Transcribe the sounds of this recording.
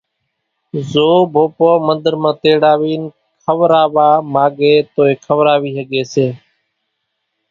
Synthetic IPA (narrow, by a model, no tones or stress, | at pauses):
zoːbʱoːpoːmənd̪əɾmãːt̪eːɽaːʋiːn | kʰəʋɾaːʋaːmaːɡeːt̪oːeːkʰəʋɾaːʋiːɦəɠeːseː